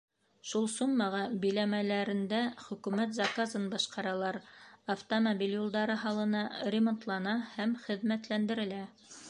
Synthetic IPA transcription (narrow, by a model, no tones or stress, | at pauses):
ʃulˠsuɴmɑʁɑbɵ̆jlæmælæɾɘ̆nd̪æχɵ̆kʉmæt̪zɑkazɤnbɑʃqɑɾɑlˠɑɾɐft̪omobʲiljulˠd̪ɑɾɤɦɑlˠɤ̆nɑrʲɪmont̪lˠɑnɑhæmχɘ̆ðmæt̪lænd̪ɘ̆ɾɘ̆læ